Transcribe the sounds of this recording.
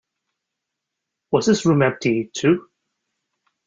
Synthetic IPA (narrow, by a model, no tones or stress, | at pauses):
wʌzðɪsɹʉmɛp̚tʰitʰʉ